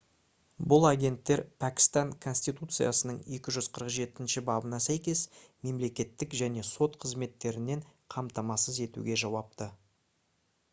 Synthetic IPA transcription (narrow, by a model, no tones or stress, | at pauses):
bʊlˠaɡʲe̞nt̪ːe̞ɾpʰækʲɪ̥st̪ɑŋkʰo̞nʲsʲt̪ijt̪ut̪sɨja̰sənəɴe̞kʲɪʒʏz̥qʰəɾəqʒe̞t̪ɪnʃɪbɑbənɑsæjkʲe̞sme̞mle̞kʲe̞t̪ːɪkʒæne̞so̞t̪qʰəzme̞t̪ːe̞ɾɪne̞ɴqʰɑmt̪ɑmɑsəze̞t̪ṵɡʲe̞ʒɑwɑp̚t̪ə